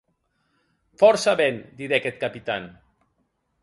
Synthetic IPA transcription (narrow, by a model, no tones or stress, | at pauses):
fɔɾsaβend̪iɾekɛt̪̚kapit̪an